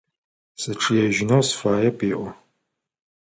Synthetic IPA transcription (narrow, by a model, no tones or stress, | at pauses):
sɨʈ͡ʂʰɨjɛʒɪnosfaːjɛpʰʼeːʔʷɔ